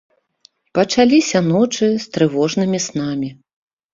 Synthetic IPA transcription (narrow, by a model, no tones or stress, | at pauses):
pɐt͡ʂalʲisʲɐnɔt͡ʂɨst̪ɾɨvɔʐnɨmʲisnamʲi